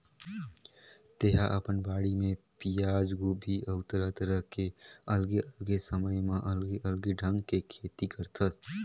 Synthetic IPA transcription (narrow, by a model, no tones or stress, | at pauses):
t̪eɦaʔɐpənbaːɽimẽ | pijaːd͡ʒɡubʱiʔəʊt̪əɾat̪əɾəɦkeəlɡeʔəlɡesəməjmãʔəlɡeʔəlɡeɖʱə̃ŋɡkekʰeːt̪ikəɾt̪ʰət̪